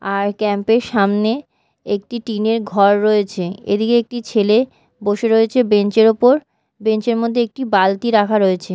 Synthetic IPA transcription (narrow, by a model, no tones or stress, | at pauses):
aɾkɛmpeɾʃamne | ek̚ʈiʈineɾɡʱɔɾːoet͡ɕʰeḛd̪ikeek̚ʈit͡ɕʰele | boʃeɾoet͡ɕʰebeɲt͡ɕeɾopoɾ | bent͡ɕeɾmod̪ʱːeek̚ʈibalt̪iɾakʰaɾoet͡ɕʰe